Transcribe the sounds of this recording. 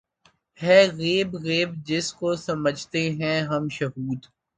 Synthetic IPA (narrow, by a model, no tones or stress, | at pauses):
hɛːɣeːbɣeːbd͡ʒɪskosɐməd͡ʒʱt̪eɦɛ̃ɦɐmʃɐɦuːd̪